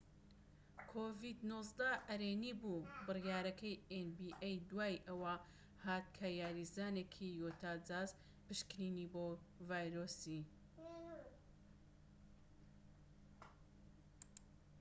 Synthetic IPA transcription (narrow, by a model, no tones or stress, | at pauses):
kʰoːvid̪nozd̪ɐɐɾeːnibubɨrjaːɾɐkʰɐjenbiʔejd̪waːjʔɐwɐ | haːt̪̚kʰajaːɾizaːneːkʰijot̪ʰaːd͡zaːz | pɨʃkɾiːniboː | vaːjɾoːsi